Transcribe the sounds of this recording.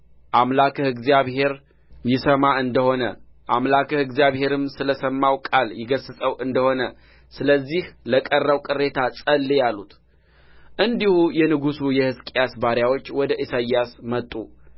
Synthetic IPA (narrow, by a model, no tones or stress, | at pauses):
ʔamlakʰəhɨɡzijaβhe̞ɾ | jɪsəmaʔɨnd̪əho̞nə̰ʔamlakəhɨɡzijaβhe̞ɾɨmsɨləsəmːawkʼaljɪɡəsɨsʼəwʔɨnd̪əho̞nə | sɨləzːihləkʼərːəβkʼɨre̞t̪ʰasʼəlːejalːut̪ | ʔɨnd̪ihujɛnɨɡusujɛhɨskʼejasbaɾjawo̞t͡ʃːwɔd̪əʔisajːasmət̪ʼːu